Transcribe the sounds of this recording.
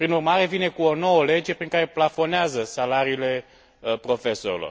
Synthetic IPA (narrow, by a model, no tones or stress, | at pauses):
pɾinurmaɾe̞vine̞kuono̞wəle̞d͡ʒe̞pɾiŋkaɾe̞plafo̞neazəsalaɾiːle̞ | pɾo̞fe̞so̞ɾilo̰r